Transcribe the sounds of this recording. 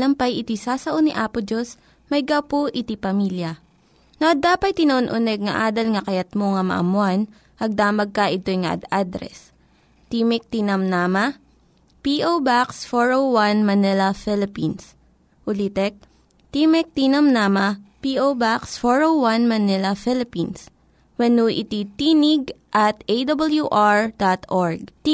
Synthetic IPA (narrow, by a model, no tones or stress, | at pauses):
lɐmpɐjɪt̪isaːsɐʔoniʔaːpʊd͡ʒos | mɐjɡɐwpoʔɪt̪ipɐmiːljɐ | nɐʔɐd̪aːpɐt̪̚t̪ɪnɐʔonʔʊnɛɡ̚ŋɐ̰ʔaːd̪ɐlŋɐkɐjɐt̪̚moŋɐmɐ̰ʔɐ̰mʊan | ʔɐɡ̚d̪aːmɐɡ̚kɐʔɪt̪ojŋɐ̰ʔɐ̰d̪ad̪ɾɛ̰s | t̪imɛk̚t̪inɐmnaːmɐ | piʔobaksfoɹowwɐnmɐnɛlɐfɪlɪpins | ʔʊlit̪ɛk̚ | t̪imɛk̚t̪iːnɐmnaːmɐpiʔowbaksfoɹowwanmɐnɛlɐfɪlɪpins | wɛnuʔɪt̪it̪iːnɪɡ̚ʔɐt̪ʔejd̪ɐbɐljuʔaɹd̪̥at̪ʔoɹɡ̚